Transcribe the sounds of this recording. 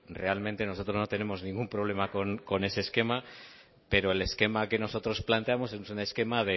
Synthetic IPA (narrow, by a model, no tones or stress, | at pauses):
re̞almẽnt̪e̞no̞so̞t̪ɾo̞zno̞t̪e̞ne̞mo̞znĩŋɡumpɾo̞β̞le̞mako̞nko̞ne̞seːske̞ma | pe̞ɾo̞e̞le̞ske̞make̞no̞so̞t̪ɾo̞splant̪e̞amo̞s̬esusuneske̞maðe̞